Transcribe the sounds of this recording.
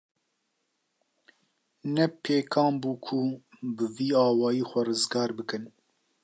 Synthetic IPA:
nɛpʰeːkʰɑːmbuːkʰu | bɨviːɑːwɑːjiːxʷɛrɨzɡɑːɾbɨkɨn

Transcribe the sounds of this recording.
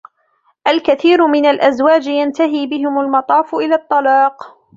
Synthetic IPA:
ʔalkaθiːɾʊmɪnalʔazwaːd͡ʒjant̪aɦiːbɪɦɪmʊlmɑt̪ˤɑːfʊʔɪlaːt̪ˤːɑlɑːq

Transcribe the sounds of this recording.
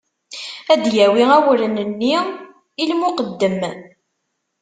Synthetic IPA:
æd̪jæwiæwɾənənːi | ilmʊqəd̪ːəm

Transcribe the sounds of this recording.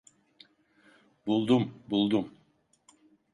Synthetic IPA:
bulˠd̪umbulˠd̪um

